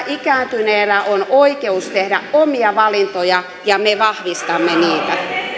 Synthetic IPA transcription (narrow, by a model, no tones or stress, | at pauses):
ʔikæːnt̪yneːlæʔonoikeust̪ehdæʔomiɑʋɑlint̪ojɑ | jɑmeʋɑhʋist̪ɑmːeniːt̪æ